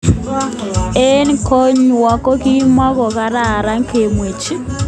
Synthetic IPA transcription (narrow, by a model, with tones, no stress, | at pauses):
e˦n˦kɔ˦ɲwa˨kɔ˦ki˦ma˦kɔ˨ka˦ɾa˦˨ɾa˦ŋke˨mwe˨t͡ʃi˦